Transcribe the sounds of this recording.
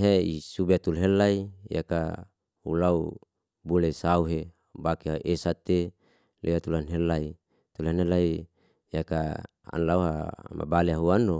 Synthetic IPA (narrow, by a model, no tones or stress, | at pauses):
ɦeisubet̪ulɦelaija̰ka | hṵlau | buleisauɦe | bakeaʔesat̪e | lʔeat̪ulanɦelai | t̪ulenelai | jaka | a̰nlauɦa̰ma̰baleaɦuano